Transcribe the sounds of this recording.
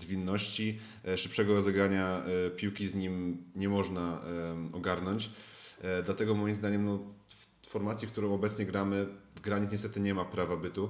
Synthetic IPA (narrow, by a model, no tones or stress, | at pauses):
zvʲinːɔɕt͡ɕi | ʂɘpʂɛɡɔɾɔzɛɡɾaɲapʲiwkʲizɲimɲɛmɔʐnaɔɡaɾnɔɲt͡ɕ | d̪lat̪ɛɡɔmɔjimzd̪aɲɛmnɔ | fɔɾmat̪sʲjikt̪uɾɔ̃w̃ɔbɛt̪sɲɛɡɾamɘvɡɾaɲɛt̪ɲɛst̪ɛt̪ɘɲɛmapɾavabɘt̪u